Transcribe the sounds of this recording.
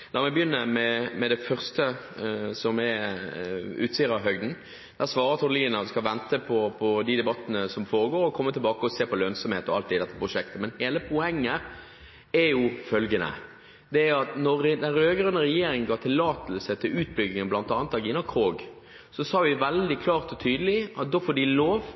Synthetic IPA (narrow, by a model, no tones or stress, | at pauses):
nɔɾmɛbjʏnːəɾmɛmɛd̪ɛfœʁst̪əsɔmɛ | ʉ̰ːt̪sɪəɾɑɦœɡd̪n̩ | d̪̥æsʋɑːɾəʁt̪ʰɔnliːnɑskɑʋɛnt̪əpʰɔpʰɔd̪ɪd̪ɛbɑt̪ːənəsɔmfoːɾəɡoːɾɔkʰɔmːət̪ʰɪlbɑːkəɔseːpɔlœnsɔmheːt̪ɔɑlt̪ɪd̪ɛt̪ːə̥pʁʊʃɛk̚t̪əmɛnheːləpʰʊɛŋːə | æjʊfœlɡənə̰ | d̪ɛæɑt̪nɔɾd̪ɛnɾøːɡɾœnːəɾɛjeːɾɪŋənɡɑːt̪ʰɪlːɑːt̪əlsət̪ʰɪlʉːt̪̚bʏɡ̪ɪŋənblɑnt̪ɑːnət̪ɑɡɪnːɑkʰʁoːɡ | sɔsɑːʋɪʋɛld̪ɪkʰlɑːʁt̪ɔt̪ʰyːd̪əlɪɑt̪̚d̪oːfɔːɖɪloːʋ